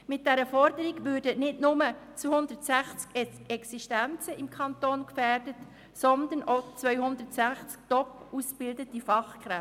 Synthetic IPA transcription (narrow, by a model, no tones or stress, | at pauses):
mɪt̚d̥ɛɾəfɔɾdəɾiɡʋʏːrdənɪdnʊmət͡suhʊndətsæχt͡sk | ɛksiʃtænt͡səɪmkʰɑntoːnkfæːrdət | sɔnd̪ənʔot͡sʋœʏɦʊnd̪ətsæχt͡sk̚tɔpusb̥ɪldətifɑχkχɾɛ